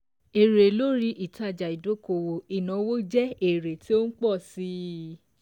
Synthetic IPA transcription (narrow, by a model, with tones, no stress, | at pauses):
e˨ɾe˨lo˦ɾi˦ʔi˦˨ta˦˨d͡ʒa˨i˨do˦ko˧˨wo˨i˨nã˨˦wo˦d͡ʒɛ˦e˨ɾe˨ti˦o˦n̩˦k͡pɔ˦˨si˨˦